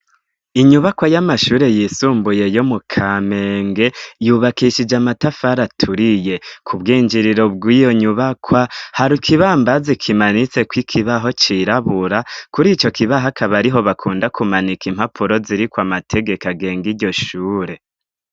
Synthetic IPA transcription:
iɲuβakwajamaʃuːɾe̞jisuːmbuje̞jo̞mukʰame̞ːŋɡe̞juːβakiʃid͡ʒamatafaɾatʰuɾije̞kʰubɡiːɲd͡ʒiɾiɾo̞b̚ɡijo̞ɲuβakʰwahaɾikʰiβaːmbazikʰimanit͡se̞kwikʰiβaɦo̞t͡ʃiɾaβuɾakuɾit͡ʃo̞kiβaɦakʰaβaɾiɦo̞βakʰuːndakʰumanikim̥hapʰuɾo̞ziɾikwamatʰe̞ɡe̞kaɡe̞ːŋɡiɾɟo̞ʃuːɾe̞

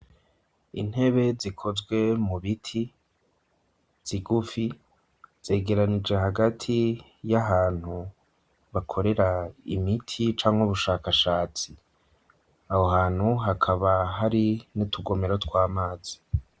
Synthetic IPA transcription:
ḭn̥he̞βe̞zikʰo̞zɡwe̞muβitʰi | z̥iɡufi | z̥e̞ːɡe̞ɾanid͡ʒeɦaɡatʰi | jaɦaːn̥hu | βakʰo̞ɾe̞ɾaḭmitʰit͡ʃaːŋhuβuʃaːkaʃaːt͡si | aho̞ɦaːn̥huɦakʰaβaɦaɾinitʰuɡo̞meɾaotwaːmaːz̥i

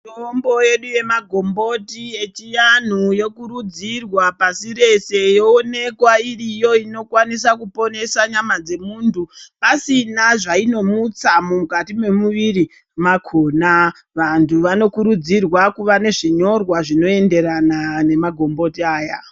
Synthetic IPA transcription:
toombo̞je̞ɗuje̞maɡʱo̞mbo̞tie̞t͡ʃijan̤ujo̞kuɾud͡zirwapasiɾe̞se̞joone̞kwairijo̞ino̞kwanisakupo̞ne̞saɲamad͡ze̞muːntʰupasinaʐaino̞mut͡samumukatimwe̞muʋiri | makʰoːna | ʋantʰuʋano̞kuɾud͡zirwakuʋane̞ʐiɲo̞rwaʐino̞e̞nde̞ɾanane̞maɡʱo̞mbo̞tiaːja

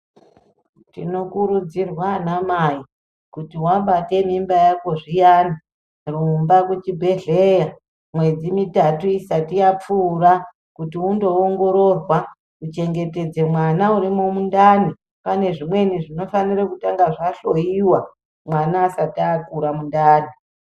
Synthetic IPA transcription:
tḭno̞kuɾud͡zirwanamai | kutiwabate̞mimbajakoʐijaːna | rumbakut͡ʃibʱe̞ɮeja | mwe̞d͡zimitatuisatijap͡fuːra | kutiundo̞oŋɡo̞ɾo̞rwa | ut͡ʃe̞ŋɡe̞te̞d͡ze̞mwanauɾimomundani | pane̞ʐimwe̞niʐino̞fanirakutaŋɡaʐaɬo̞jiwa | mwanaːsatiakuɾamundaːni

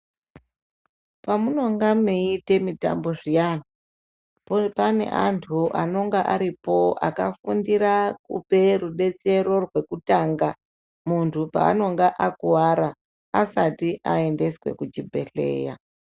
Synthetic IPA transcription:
pamuno̞ŋɡameite̞mita̰mbo̞ʐijana | pane̞̰ʔantʰuʔano̞ŋɡaʔaɾipo̞a̰kafundiɾakṵpe̞ruɗe̞t͡se̞ɾo̞rwe̞kutaːŋɡa | muntʰupa̰ːno̞ŋɡaʔakuwaɾa | asatiʔae̞nde̞swe̞̰kut͡ʃibʱe̞̰ɬe̞̰ːja̰

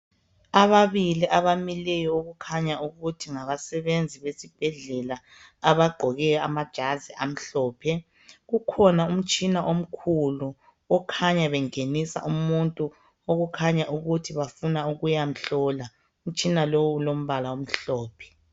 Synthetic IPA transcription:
aβaβiliʔaβamilɛjɔoɣukʰaɲauɣutʰiŋaβasɛβend͡zʱiβesib̥ʱɛɮɛlaː | βaɡ͡ǃʱɔɣɛjamad̥ʒ̥ʱaziʔam̩ɬɔːpʰɛ | ɣukʰɔnaum̩t͡ʃʼinaʔom̩kʰulu | ɔkʰaɲaβɛŋenisa̰ʔumuntʼu | oɣukʰaɲaʔuɣutʰiβafunauɣujam̩ɬɔːla | um̩t͡ʃʼinalowːlom̩βalawom̩ɬɔːpʰɛ̥

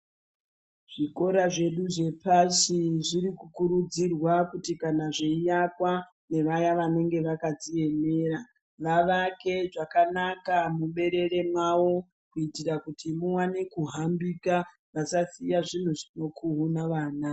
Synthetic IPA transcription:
ʐ̥iko̞ɾaʐe̞ɗuʐe̞pasiʐiɾikukuɾud͡zirwakutikanaʐeijakwa | ne̞ʋajaʋane̞ŋɡe̞ʋakad͡zie̞me̞ːɾa | ʋaʋake̞ʐakanakamuɓe̞ɾe̞ɾe̞mwawo̞ | kuitirakutʰimuwanekuɦambika | ʋasasijaʐin̤uʐino̞kʰuɦunaʋaːna

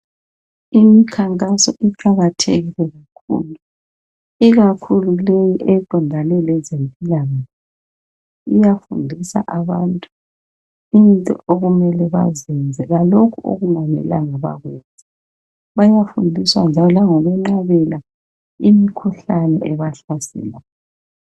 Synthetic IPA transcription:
imikʰaŋkʼasɔʔiǃaɣatʰḛɣilɛɣakʰṵlu | iɣakʰululejiʔɛǃʱɔndʱanɛlɛzempʼilaŋaɛ | ijafṵndʱisa̰ʔaβantʼu | intʼɔ̰oɣumɛlɛβa̰zɛnd͡zʱɛɣalokʰuo̰ɣumanɛ̰laŋɔβa̰ɣwɛzɛ | βajafundʱiswand͡ʒʱalɔlaŋɔlɛŋ͡ǁaβɛla | imikʰuɬanɛ̰ʔɛβaɬasɛ̰la

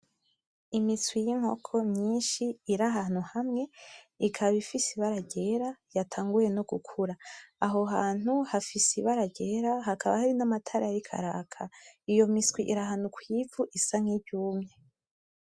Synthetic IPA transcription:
imiswijiŋ̥ho̞̰kʰo̞mɲiːnʃiːɾaɦaːn̥uhamŋe̞ | ikʰaβifisiβaɾaɟe̞ɾajatʰaːŋɡujeno̞ɡukʰuɾaːɦo̞ɦaːn̥huhafisiβaɾaɟeɾaɦakʰaβahaɾinamatʰaɾajaɾikʰa̰ɾa̰ːkʰaijo̞miskwiʔiɾaɦanukwivuʔisaŋ̥hibɟuːmɲe̞

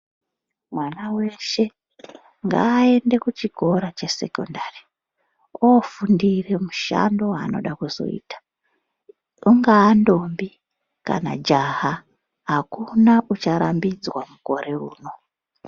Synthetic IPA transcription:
mwanaweʃe̞ | ŋɡa̰ːe̞nde̞kut͡ʃiɡʱo̞ɾat͡ʃe̞se̞̰ko̰ndari | ofundire̞muʃa̰ndo̞ano̞̰ɗakuzo̞̰ḭːtḁ | uŋɡaːndo̞mbi | ka̰na̰d͡ʒaɦa | ɦakunaʔut͡ʃaɾambid͡zwamuko̞ɾe̞ṵːno̞

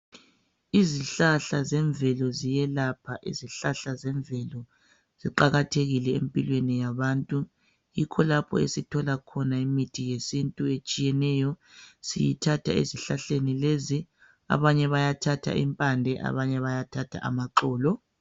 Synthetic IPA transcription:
iziɬaɬazɛɱvɛlɔzijɛlapʰaʔḭziɬaɬazɛɱvɛlɔ | z̥iǃaɣatʰeɣilɛḛmpʼilwenijaβantʼu | jikʰɔlapʰɔ̰ḛsitʰɔlakʰɔnaimitʰijesintʼuet͡ʃʼijɛnɛjɔsḭjḭtʰatʰa̰ḛziɬaɬenilezi | a̰βaɲɛβajatʰatʰa̰ḭmpʼandʱɛʔa̰βaɲɛβajatʰatʰa̰ʔa̰maǃɔːlɔ

